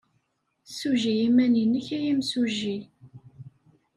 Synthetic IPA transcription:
suʒijimæninːəçæjimsuʒi

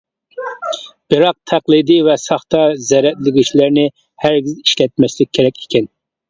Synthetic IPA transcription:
b̥ɪɾɑq̚t̪ʰæqlˠɨd̪ivɛsɑχt̪ɑzɛɾɛt̪lɪɡʲiʃlæɾnɪ | hæɾɡʲiziʃkʲɛt̪̚mɛʃlɪk̚ʲʰːeɾɛkʲʰi̥kʲʰɛn

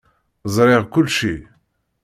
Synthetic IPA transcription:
zəɾeʁkʊlʃi

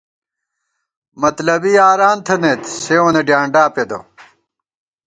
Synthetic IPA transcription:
mɐt̪lɐbijaːɾaːnt̪ʰɐnet̪seːwɐneɖjaːɳɖaːped̪o̰

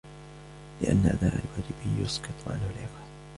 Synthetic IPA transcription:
lɪʔa̰nːaʔa̰d̪a̰ːʔalwaːd͡ʒɪbɪjʊ̰sqɨt̪ˤʕa̰nhʊlʕɪfaːð

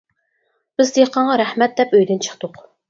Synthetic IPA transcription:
b̥ɪzd̪eqʰɑɴʁɑɾæhmɛt̪̚d̪ɛpøjd̪ynt͡ʃʰə̥χt̪ʊq

